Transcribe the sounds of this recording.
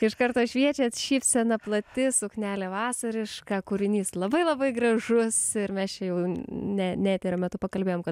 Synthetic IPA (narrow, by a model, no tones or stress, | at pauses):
ɪʃkɐɾt̪oːʃʲʋʲiɛt͡ʃʲeːt̪ʃʲiːfʲsʲɛnɐplˠɐt̪ʲɪsʊknʲæːlʲeːʋɑːsɐɾʲɪʃkɑːkʊɾʲɪnʲiːslˠɐbɐɪlˠɐbɐɪɡrɐʒʊsɪɾmʲɛst͡ʃʲɛjɛʊnʲɛnʲæːt̪ʲeːɾʲoːmʲɛt̪ʊpɐkɐlʲbʲeːjoːmkɐt̪